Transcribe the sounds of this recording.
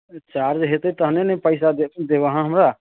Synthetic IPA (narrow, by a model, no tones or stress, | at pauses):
t͡ʃaːɾd͡ʒɦet̪et̪əɦnenẽpəɪs̬ad̪ed̪eʋaɦãɦəmɾa